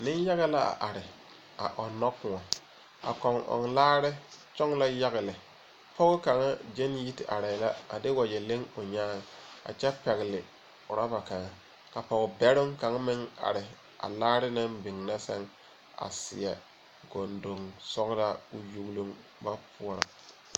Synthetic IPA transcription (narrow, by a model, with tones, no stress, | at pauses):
nɪ˦nja˦ɣa˦la˦a̰˨ʔa˨ɾɪ˨ | a̰˨ʔɔ˨nːɔ˦kʊ˨ŋɔ˨ | a̰˨kɔ˨ŋʔɔ̰˨ŋlaː˦ɾɪ˦t͡ʃɔ˦ŋla˦ja˦ɣɪ˨lɪ˨ | pɔ˦ɣʊ˦ka˨ŋa˦d͡ʒe˦nji˦tɪ˨ʔa˨ɾa˨la˦a̰˨dɪ˦wa˨d͡ʒɛ˨le˦ŋʊ˨ɲaː˦ŋ˨a̰˨t͡ʃɛ˦pɛ˨ɣɪ˨lɪ˨ | ʊ˨ɾa˦ba˨ka˨ŋa˦ | ka˨pɔ˨ɡɪ˨bɛ˦ɾʊ˦ŋka˨ŋ˦mɪ˦ŋa̰˨ɾɪ˨ | ʔa̰˨laː˦ɾɪ˦na˦mbɪ˨ŋna˦sɛ̰˦ŋ | a̰˨sɪ̰˨ɛ˨ | ɡo˨ndo˨ŋsɔ˦ɡɾa˦ʊ˨ju˦ɡlu˦ŋ | ba˦pʊ˦ɔ˦ɾa̰˨